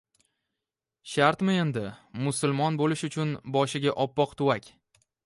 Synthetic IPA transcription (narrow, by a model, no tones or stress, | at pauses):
ʃaɾt̪mɪe̞nd̪ɪmʊsʊlˠmɒnbolɪʃʊt͡ʃʰʊnbɒʃɪɡʲaʔɒpːɒqt̪ʰʊwakʲ